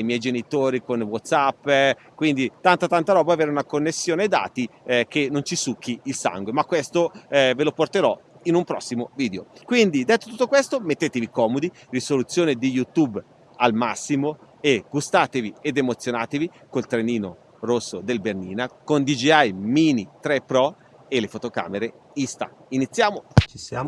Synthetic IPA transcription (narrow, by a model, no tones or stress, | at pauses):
ajmjɛjd͡ʒenit̪oːɾikonwɔt̪sapː | kwind̪it̪ant̪at̪ant̪aɾɔːbaveːɾeunakonːesːjoːned̪a̰ːt̪ikenont͡ʃisukʰːiilsa̰ŋɡwemakːwest̪oveloport̪eɾɔ | inumpɾɔsːimoviːd̪eokwind̪id̪ɛt̪ːo̥t̪ut̪ːokwest̪omet̪ːeːt̪evikɔːmod̪i | risolut̪sːjoːned̪ijut̪ub | almasːimo | eɡ̥ust̪aːt̪evied̪emot̪sːjonaːt̪evi | kolt̪ɾeniːno | rosːod̪elberniːnakond̪id͡ʒiajmiːnit̪ɾepɾɔ | elefot̪oka̰ːmeɾe | ist̪a̰ | init̪sːjaːmot͡ʃia